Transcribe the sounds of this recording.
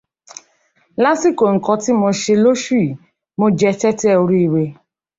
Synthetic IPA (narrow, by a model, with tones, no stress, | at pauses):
la˦si˦˨ko˨ŋ̩˨kɔ̃˧ti˦mõ˧ʃe˧lo˦ʃu˦i˦˨ | mo˧d͡ʒɛ˧t͡ʃɛ˦ti˦ɛ˦˨o˧ɾi˦i˧we˧